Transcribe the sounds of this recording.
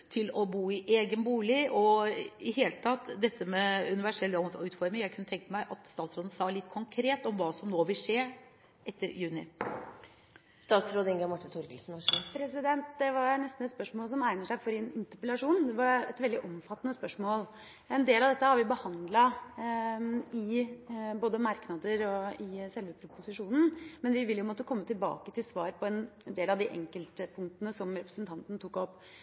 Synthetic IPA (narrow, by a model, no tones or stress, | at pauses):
t̪ʰɪlɔbuːɪʔeːɡənbuːlɪʔɔɪheːlət̪ʰɑt̪ːd̪ɛt̪ːəmɛʉnɪʋæʂɛlːɔʉːt̪fɔɾmɪŋjæɪkʰʉnːət̪ʰɛŋkəmæɪʔɑt̪st̪ɑːt̪sɾoːd̪ən̩sɑːlɪt̪ːkʰʊŋkʰɾeːt̪ɔmʋɑːsɔmnoːʋɪlʂeːɾ | ʔɛt̪ːəɾjʉːnɪ̰ | st̪ɑːt̪sɾoːd̪əɪŋɡɛmɑʈːɪt̪ʰɔɾɡəlsn̩ɑpʰɾɛsɪd̪ɛnt̪d̪ɛʋɑɾnɛst̪n̩ɛt̪spœʂmoːls̬ɔmæɪnəʂæɪfɔɾɪnɪnt̪əpəlɑʂuːnd̪ɛʋɑɾɛ̰t̪ʋɛld̪ɪʔɔmfɑt̪ːənəspœʂmoːl | ɛnd̪eːlɑʋd̪ɛt̪ːəhɑɾʋɪbəhɑnd̪lɑ | ɪ | boːd̪əmɑɾknɑd̪əɾɔɪsɛlʋəpʰɾʊpʊsɪʂuːnn̩mɛnʋɪʋɪljʊmɔt̪ːəkʰɔmːət̪ɪlbɑ̰ːkət̪ʰɪlsʋɑːɾpʰɔɛnd̪eːlɑʋd̪ɪʔɛ̰ŋkəlt̪əpʰʊŋkt̪ənəsɔmɾɛpɾə̥sn̩t̪ʰɑnt̪nt̪ʰukːɔpː